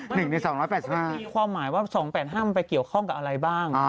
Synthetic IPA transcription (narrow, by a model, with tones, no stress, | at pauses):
nɯ˨˩ŋna˧jsɔː˩˦ŋɾɔː˦˥jpɛː˨˩t̚si˨˩phaː˧˥˩iː˧kʰwaː˧mːaː˩˦jwaː˥˩sɔː˩˦ŋpɛː˨˩t̪̚ɦaː˥˩m˧pa˧jki˨˩əwkʰɔ˥˩ŋka˨˩p̚ʔa˧ɾa˧jbaː˥˩ŋ˧